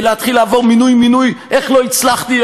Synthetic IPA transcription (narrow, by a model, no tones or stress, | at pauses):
leat̪χilavoʁminujminujʔeχloit͡slaχt̪i